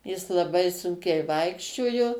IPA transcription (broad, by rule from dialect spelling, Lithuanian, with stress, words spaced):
jɪs lˠɐˈbɐɪ ˈsʊŋʲkʲɛɪ ˈʋɐɪkʃʲt͡ʃʲoːjoː